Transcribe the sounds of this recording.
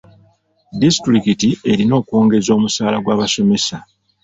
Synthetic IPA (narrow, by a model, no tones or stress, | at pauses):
distɾikitie̞ɾino̞ːkwoːŋɡe̞zo̞ːmusaːlaɡwaːβaso̞me̞sa